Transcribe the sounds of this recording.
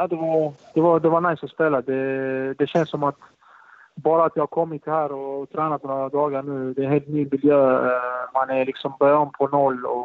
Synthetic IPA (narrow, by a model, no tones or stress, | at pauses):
jad̪ɛvaɾd̪̥ɛvad̪ɛvanajsɔspeːlad̪ɛd̪ɛɕɛnsːɔmat̪ | bɑːɾaːt̪jɑhaɾkʰɔmːɪt̪hæːɾɔːt̪ʰɾɛːnat̪nɔad̪ɑːɡaɳʉ̟ːd̪ɛːnheːlt̪nyːmɪljøːmanɛlɪksɔmbœɾjaɔmpʰɔnɔlːɔ